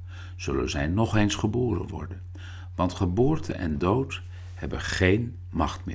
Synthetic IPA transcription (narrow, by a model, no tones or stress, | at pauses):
z̥ɵlə̰nzɛjnɔχejnsχəboːɾə̰nʋɔ̰ɹdən | ʋɑntχəboːɹtʰə̰nʔɛ̰ndowt | hɛbənχejn | mɑχtmɪ̰ː